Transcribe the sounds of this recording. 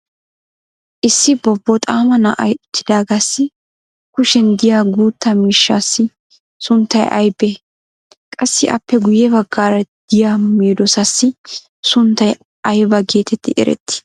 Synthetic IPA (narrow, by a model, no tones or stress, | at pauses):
ʔɪsːɪbɔbːɔt̪ʼaːmɐnɐʔɐjʊt̪ːɪ̥d̪aːɡasːɪ | kʊʃɛnd̪ɪjaːɡuːt̪ːɐmiːʃːaːsːɪ | sʊnt̪ːɐjʔɐ̰jbe | kʼɐsːɪʔɐ̰pːɛɡʊjɛbɐɡːaːɾɐd̪̥ɪjaːmeːd̪ɔsɐsːɪ | sʊnt̪ːɐj | ɐjbɐɡeːt̪ʰɛt̪ːɪʔɛ̰ɾɛ̰t̪ːɪ̥